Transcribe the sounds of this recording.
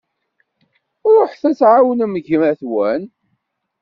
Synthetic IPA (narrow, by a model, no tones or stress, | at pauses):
ɾˤoħθæsʕawnəməʝmæθwæn